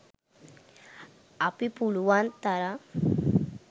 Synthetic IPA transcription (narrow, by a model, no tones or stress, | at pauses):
apipuɭʋant̪aɾa